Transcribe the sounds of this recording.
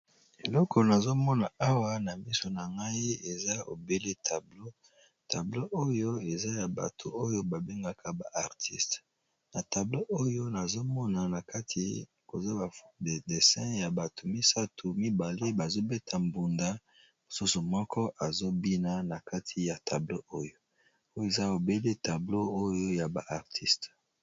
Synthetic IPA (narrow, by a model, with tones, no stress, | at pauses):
e˨lɔ˦kʰɔ˨na˨zo˦mɔ˦na˨a˦wa˦na˨mi˦so˨na˨ŋɡa˦i˦e˨za˦o̰˨be˦le˦tʰa˨blo˦ | ta˨blo˦ʔo˦jo˦e˨za˦ja˨ba̰˨tʰo˨o˦jo˦ba˨be˦ŋɡa˨kʰa˨ba˨ʔa˨ʁtʰi˦st | na˨ta˨blo˦ʔo˦jo˦na˨zo˦mɔ˦na˨na˨ka˦tʰi˨ | ko˨za˦ba˨de˨de˨sɛ̃˦ja˨ba˨tʰu˨mi˦sa˦tʰu˨mi˦ba˨le˦ba˨zo˦be˦tʰa˨mbu˨nda˦ | mo˨su˦su˨mɔ˦kʰɔ˦ʔa˨zo˦bi˦na˦na˨ka˦tʰi˨ja˨tʰa˨blo˦o˦jo˦ | o˦je˨za˦o˨be˦le˦ta˨blo˦o˦jo˦ja˨ba˨ʔa˨ʁtʰi˦st